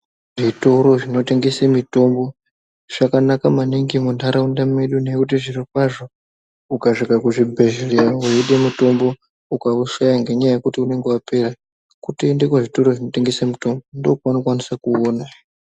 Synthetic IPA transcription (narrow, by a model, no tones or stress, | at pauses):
ʐito̞ɾo̞ʐino̞te̞ŋɡesemito̞mbo̞ | ʐ̥akanakamaniŋɡimuntaɾaundameɗune̞kutiʐirik̚waʐo̞ | ukaʐikakuʐibʱe̞ʒeriauiɗe̞mito̞mbo̞ | ukauʃajaŋɡe̞ɲajaje̞kutiune̞ŋɡewape̞ɾa | kutindikoʐito̞ɾo̞ʐino̞te̞ŋɡesamito̞mbo̞ndokuanokwanisakuoːna